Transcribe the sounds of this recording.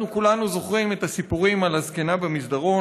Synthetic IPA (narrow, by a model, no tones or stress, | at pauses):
ukulanuzo̞χʁime̞t̪asipuʁimalhazkenabemisd̪aʁo̞